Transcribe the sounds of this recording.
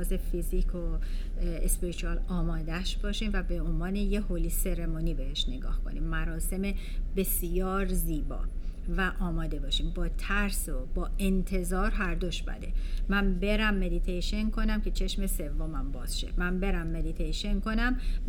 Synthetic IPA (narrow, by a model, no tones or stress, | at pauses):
zefizikʰo | espeɾit͡ʃʰuɒlɒːmɒːd̪æʃb̥ɒːʃiːmvæbeonvɒːnejeholiːse̞ɾemoniːbehe̞ʃneɡɒ̰ːhkʰo̞̰nimːæɾɒːse̞me | b̥e̞sjɒːɾziːbɒ̰ːvæʔɒːmɒːd̪e̞bɒːʃiːmbɒːt̪ʰæɾsobɒːent̪ʰe̞zɒːɾɦæɾd̪oʃbæ̰d̪e̞mænbe̞ɾæmːe̞d̪it̪ʰejʃenkʰo̞næmkʰe̞t͡ʃʰe̞ʃme̞se̞vːo̞mæmbɒːz̥ʃḛmænbe̞ɾæmːe̞d̪it̪ʰejʃe̞nkʰo̞næm